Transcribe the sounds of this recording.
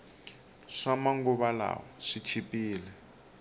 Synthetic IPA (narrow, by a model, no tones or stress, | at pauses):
ʂamaŋɡuβala̰wɔʂit͡ʃʰipʼiːlɛ